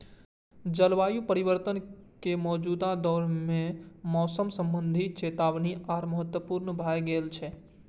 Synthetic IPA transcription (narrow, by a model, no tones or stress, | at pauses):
d͡ʒəlʋajupəɾiβəɾt̪ənkemɔːd͡ʒud̪ad̪ɔɾmemɔsəmsəmbənd̪ʱit͡ʃet̪aʋniʔaɾməɦət̪wəpuɾnbʱajɡelt͡ʃʰɛ